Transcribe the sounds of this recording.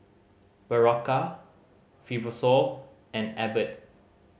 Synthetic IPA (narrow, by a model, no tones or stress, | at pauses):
b̥əɹɔka | fibɔsɔl | ɛ̃nɛbət̚